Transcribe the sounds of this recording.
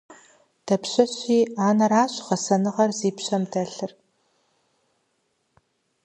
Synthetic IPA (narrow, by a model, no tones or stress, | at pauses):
d̥ɐpɕɐɕiːaːnɐraːɕʁɐsɐnɨʁɐrziːpɕɐmdɐɬɨr